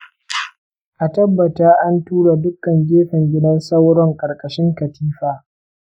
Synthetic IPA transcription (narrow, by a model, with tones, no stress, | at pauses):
ʔa˨tɐ˦bːɐ˨taː˦ʔa˦ntuː˦ɽa˨dʊ˦kɐ˨ŋɡʲeː˦ɸɪ˨ŋɡʲɪ˦dɐ˦nsɐ˦wɽɔ˦ŋkʼɐ˨ɽkʼɐ˨ʃɪ˦ŋkɐ˨tʰiː˦ɸaː˨